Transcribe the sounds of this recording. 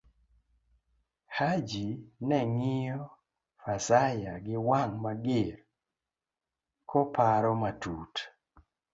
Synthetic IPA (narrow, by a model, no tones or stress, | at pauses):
had͡ʒinɛŋɪjɔ | fasajaɡɪwaŋmaɡɪɾ | kʰɔpaɾɔmatut